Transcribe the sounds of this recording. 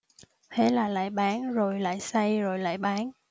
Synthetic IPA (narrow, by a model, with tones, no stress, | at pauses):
t̪ʰḛ˨˦laː˨˩la̰ː˧˨jɓaː˨˦nzo˨˩jla̰ː˧˨jsa˧jzo˨˩jla̰ː˧˨jɓaː˨˦n